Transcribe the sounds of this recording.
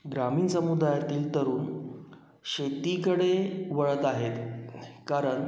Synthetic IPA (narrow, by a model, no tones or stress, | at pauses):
ɡɾamiːnsəmud̪ajat̪iːlt̪əɾuːn | ɕet̪iːkəɽeʋəɭət̪aɦet̪kaɾəɳ